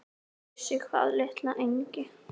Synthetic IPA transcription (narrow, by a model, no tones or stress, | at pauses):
sɪxva̰ːðlɪht̪laʔejɲcɪ